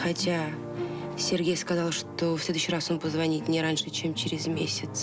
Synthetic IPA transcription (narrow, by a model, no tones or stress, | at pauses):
xatʲʰa | sʲe̞rɡʲejskɐzɑlˠʂt̪ofsʲlʲe̞d̪uɕːɪrasompəzvanʲit̪ʲnʲeɾanʂɨt͡ʃʰemt͡ʃʰɪɾʲɪzmʲesʲɪt̪s